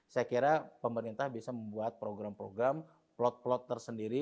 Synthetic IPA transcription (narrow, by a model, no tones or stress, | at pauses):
sajakiɾapəməɾint̪ahbiasaməmbuat̪̚pɾoɡɾampɾoɡɾam | plɔt̪̚plɔt̪ːərsəndiɾi